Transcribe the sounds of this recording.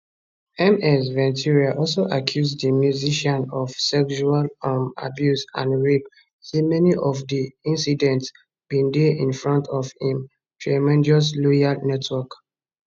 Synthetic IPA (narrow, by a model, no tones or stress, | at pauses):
ɛ̃mɛsvɛ̃ntʰiɹiaʔɔlsoʔakʰjuzdəmjuziʃɔ̃nɔvsɛkʃualama̰bjusã̰nɹip | semɛniʔɔfdiĩnsidɛ̃nts | b̥ĩndeĩnfɹɔ̃ntʰɔvhĩm | tʰɹamɛ̃ndɔs̬lɔjalnɛtʰwɔk